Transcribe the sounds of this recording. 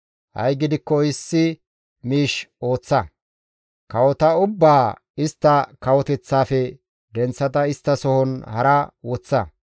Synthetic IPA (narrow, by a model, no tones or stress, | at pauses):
hɐ̰jɡɪd̪ɪkːɔɪsːɪ | miːʃo̞ːt͡sːɐ | kɐwɔt̪ɐʊbːaː | ɪst̪ːɐkɐwɔt̪ɛt͡sːaːfɛ | d̪ɛnt͡sːɐt̪ɐɪst̪ːɐsɔhɔnhɐɾɐwɔt͡sːɐ